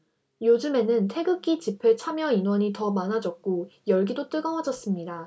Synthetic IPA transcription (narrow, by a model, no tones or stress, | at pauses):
jod͡ʑɯme̞nɯntʰe̞ɡɯk͈it͡ɕipʰet͡ɕʰamjʌinwʌɲitʌmanad͡ʑʌk̚k͈ojʌɭɡidot͈ɯɡʌŋad͡ʑʌs͈ɯmɲida